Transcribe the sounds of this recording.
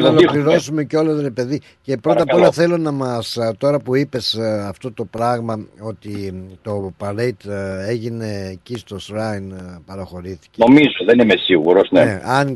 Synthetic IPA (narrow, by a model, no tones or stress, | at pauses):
nolokliɾo̞sume̞ceo̞lɐsɾe̞pe̞ði | ce̞pɾot̪ɐpo̞lɐθe̞lo̞nɐmɐst̪o̞ɾɐpuipe̞sɐft̪o̞t̪o̞pɾɐɣmɐo̞t̪it̪o̞pɐɾejt̪e̞ʝine̞ːcist̪o̞sɾɐinpɐɾoxo̞ɾiθi̥comizoðenimesiɣuɾosneeɐn